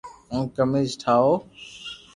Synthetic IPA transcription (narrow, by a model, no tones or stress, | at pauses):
ũːkəmeːzʈʰaːoː